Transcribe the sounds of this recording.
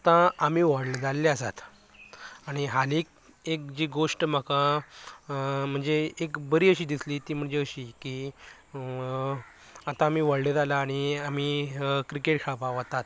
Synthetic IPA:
at̪ãam̤iːʋəɽləd͡zalːeasat̪ | aɽ̃iɦalik̚ | ek̚d͡ʑiːɡoʂʈm̤aka | m̤əɳd͡zeekbəɾiːəɕiːd̪isliːt̪iːm̤əɳd͡zeəɕiːki | at̪ãːmiːʋəɽləd͡zalaːɽ̃iam̤iːkɾikeʈɕʰapaʋat̪at̪

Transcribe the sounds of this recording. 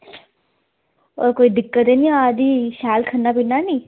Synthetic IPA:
o̰ːɾkoːiːd̪ɪkːət̪eːnĩːaad̪iːʃɛːlkʰənːaːpinːaːnĩː

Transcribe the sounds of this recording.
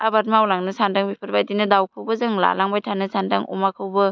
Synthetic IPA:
abaɾmawlaŋnɯsandaŋbipʰɯɾbajdinɯdawkʰɯwbɐzɯŋla̰laŋbajtʰanɯsanda̰ŋɔ̰makʰɯwbɯ

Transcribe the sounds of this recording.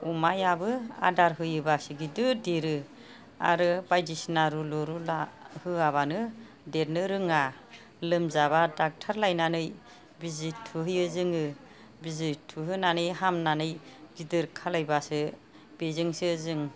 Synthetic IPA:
umajabɯa̰daɾɦɯjɯbasɯɡidɯdeɾɯ | a̰ɾɯbajdisnaɾulɔɾulahɯaβanɯ | deɾnɯɾɯŋa | lɯmzabadak̚tʰaɾlajnanɯj | bizitʰːuɦɯjɯzɯŋɯ | bizitʰːuɦɯnanɯjɦamnanɯjbidɯɾkʰalajbasɯ | bezɯŋsɯzɯŋ

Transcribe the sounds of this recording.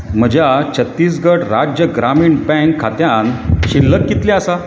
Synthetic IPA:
m̤əd͡ʑjat͡ɕʰət̪ːiːs̬ɡəɽɾad͡ʑjəɡɾamiːɳbɛ̃ŋkʰːat̪jãnɕilːək̚kːit̪lẽasa

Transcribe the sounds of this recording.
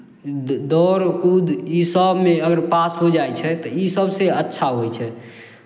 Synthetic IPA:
d̪ɔɾkud̪isəbmeəɡəɾpasɦod͡ʒajt͡ʃʰɛt̪ɔisəbseətːʃʰaɦot͡ʃʰɛ

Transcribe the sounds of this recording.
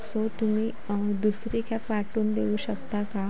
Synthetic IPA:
sot̪um̤iː | d̪usɾikʰjapaʈuːnd̪eʋuːɕəkt̪aka

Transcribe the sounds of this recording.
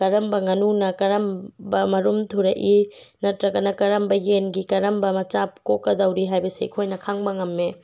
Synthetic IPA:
kɐɾɐmbɐŋɐnunɐkɐɾɐmbɐmɐɾumtʰuɾɐʔinɐtɾɐɡɐnɐkɐɾɐmbɐjenɡikɐɾɐmbɐmɐt͡ʃap̚kokːɐdɐwɾiɦajbɐsḭḭkʰojnɐkʰaŋbɐŋɐmːe

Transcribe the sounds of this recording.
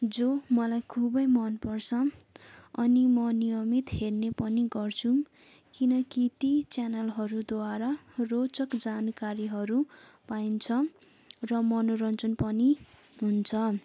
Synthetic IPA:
d͡zomʌlajkʰubʌjmʌnpʌrt͡sʰʌ | ʌnimʌnijʌmit̪ɦernepʌniɡʌrt͡sʰu | kinʌkit̪it͡sanʌlɦʌɾud̪waɾarot͡sʌkd͡zankaɾiɦʌɾupaint͡sʰʌ | rʌmʌnoɾʌnt͡sʌnpʌni | ɦunt͡sʰʌ

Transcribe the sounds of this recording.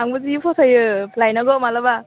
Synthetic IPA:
aŋbɯzipʰɔsajɯlajnaɡɔmalaba

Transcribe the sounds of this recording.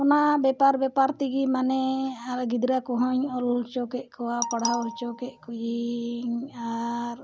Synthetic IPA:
ɔnabɛpaɾbɛpaɾt̪iɡimanɛaɡid̪ɾakɔɦɔɲɔllt͡ʃɔkɛʔ̚kʰɔwapaɽaɔlt͡ʃɔkɛʔ̚ˀkɔjiɲaɾ

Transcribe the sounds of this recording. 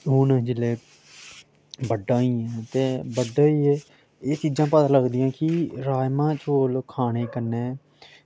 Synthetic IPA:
ɦʊnd͡ʒɪleː | bəɖãːiːɛ̃ːt̪eːbəɖaːiːɛː | eːt͡ʃiːd͡ʒãːpət̪ãːləɡd̪iːjãːkɪɾaːjmãːt͡ʃoːlkʰaːɽ̃eːkəɾneː

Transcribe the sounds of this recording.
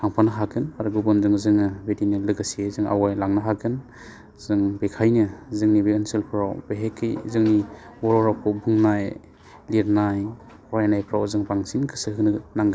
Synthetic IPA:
kʰaŋpʰanɯɦaɡʰɯnaɾɡubɔnzɯŋzɯŋɯbedinɯlɯɡasiezɯŋa̰wajlaŋnɯɦaɡʰɯn | zɯŋbekʰajnɯzɯŋnibeɯnsɯlpʰɾawbeɦekʰːɯjzɯŋniwɔɾɔɾawpʰɔbʱuŋnaj | liɾnaj | haajnajpʰɾawzɯŋbaŋsinkʰɯsɯhɯnɯnaŋɡɯ

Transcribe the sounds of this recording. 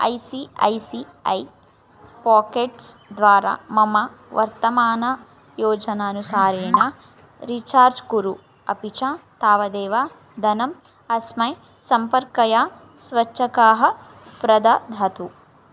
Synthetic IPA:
ɐ̰jsiɐ̰jsi | ɐ̰j | paːkeːʈsd̪ʋaːɾa̰ːmɐmɐ | ʋɐ̰ɾt̪ɐmaːnɐ | joːd͡ʒɐnɐːnusaːɾeːɳa | ɾit͡ʃaːɾd͡ʒkuɾu | ɐ̰pit͡ʃaːt̪aːʋɐd̪eːʋaː | d̪ʱɐnɐm | ɐsmɐj | sɐmpɐɾkɐjaː | sʋɐt͡ʃːʃʰɐkaːɦɐ̆ | pɾɐd̪ɐd̪ʱɐt̪u

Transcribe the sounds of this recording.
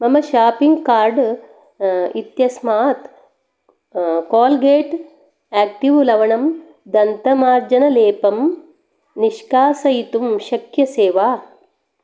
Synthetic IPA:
mɐmɐʃaːpiŋɡkaːɾɖ | it̪jɐsmaːt̪ | koːlɡeːʈ | æːk̚ʈiʋlɐʋɐɳɐm | d̪ɐnt̪ɐmaːɾd͡ʒɐnɐleːpɐm | niʃkaːsɐjit̪umʃɐkjɐseːʋaː

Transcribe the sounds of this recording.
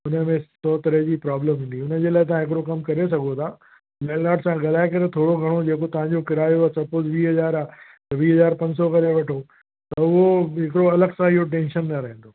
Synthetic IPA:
ʊnə̆mẽsɔːt̪ɐɾəɦd͡ʑiːpɾaːbləmɦĩːnd̪iʊnə̆d͡ʑeːlaːɪt̪̬ɐʋãɦɪk̬ɪɾokɐmkɐɾes̬ɐɡʱot̪ʰaː | lɛːnaːɖsãɡɐlaːɪkɐɾet̪ʰoːɽoɡʱɐɽ̃od͡ʑeːkot̪ɐʋ̤ãɲd͡ʑokɪɾaːjoasɐpozʋiːɦɐzaːɾaː | t̪ɐʋiːɦɐzaːɾpɐ̃ɲd͡ʑsɔkɐɾeʋɐʈʰo | t̪ɐʊɦoɦɪkɪɽoɐləɡsãɪɦoʈ̬ẽːnʃənːɐɾɐɦẽn̆d̪o

